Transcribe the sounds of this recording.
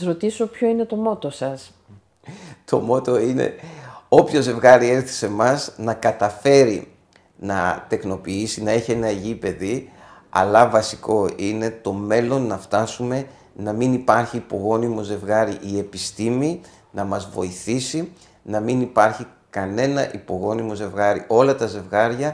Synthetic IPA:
sɾot̪isopço̞ine̞t̪o̞mo̞t̪osɐs | t̪o̞̰mo̞t̪o̞ine̞̰o̞pço̞ze̞vɣɐɾie̞ɾθi̥se̞mɐznɐkɐt̪ɐfe̞ɾḭ | nɐ̰t̪e̞kno̞piisinɐeçie̞nɐʝipe̞ðiɐ̰lɐvɐsiko̞ine̞t̪o̞me̞lo̞nːɐft̪ɐsume̞ | nɐminipɐɾçiːpo̞ɣo̞nimo̞ze̞vɣɐɾiʔie̞pist̪imi | nɐmɐzvo̞̰iθisi | nɐminipɐɾçikɐne̞nɐʔipo̞ɣo̞nimo̞ze̞vɣɐɾḭo̞lɐt̪ɐze̞vɣɐɾʝɐ

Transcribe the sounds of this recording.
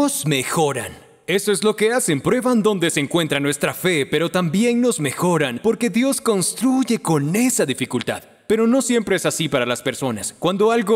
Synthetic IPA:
ozme̞xo̞ɾa̰n | e̞soezlo̞ke̞ase̞mpɾwe̞βand̪o̞nd̪e̞seːŋkwe̞nt̪ɾanwe̞st̪ɾafe̞pe̞ɾo̞t̪ambje̞ŋno̞zme̞xo̞ɾanpo̞ɾke̞ðjo̞sko̞nst̪ɾuʝe̞ko̞ne̞saðifikult̪a̰ð | pe̞ɾo̞no̞sje̞mpɾeesasipaɾalaspe̞ɾso̞naskwand̪o̞alɣo

